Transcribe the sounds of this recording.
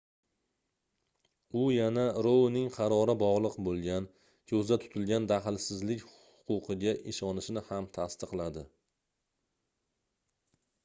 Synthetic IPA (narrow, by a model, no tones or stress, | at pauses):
ʊjanaɾownɪŋqʰɑɾɒɾɪbɒʁlˠɨqbolˠɡʲan | kʲʰɵzd̪at̪ʰʊ̥t̪ʰɪlɡʲand̪aɦɪlsɪzlɪkʲhʊ̥qʰʊqʰɨɡʲaʔɪʃɒnɪʃɪnɪhamt̪ʰast̪ɨqlˠad̪ɪ